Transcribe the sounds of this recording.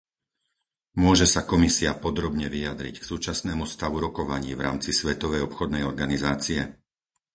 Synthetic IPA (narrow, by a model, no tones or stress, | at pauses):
mʊɔʒɛsakɔmisiapɔd̪ɾɔbɲɛʋijad̪ɾḭcksuːt͡ʃasnɛːmust̪aʋuɾɔkɔʋaɲiːvɾa̰ːmt͡sisʋɛt̪ɔʋɛjɔpxɔd̪nɛjɔɾɡanizaːt͡siɛ